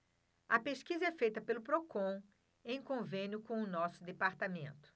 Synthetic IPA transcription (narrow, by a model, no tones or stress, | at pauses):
ɐpeʃkizɐɛfejt̪ɐpelʊpɾokõw̃ | ẽj̃kõvẽnjʊkõw̃ʊnɔsʊd̪epaɾt̪amẽnt̪ʊ̥